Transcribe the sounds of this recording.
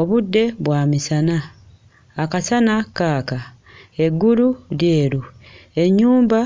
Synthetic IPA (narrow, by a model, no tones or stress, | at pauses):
o̞βudːe̞βwaːmisanaː | kasanakaːka | e̞ɡːululje̞ːɾue̞ɲːuːmba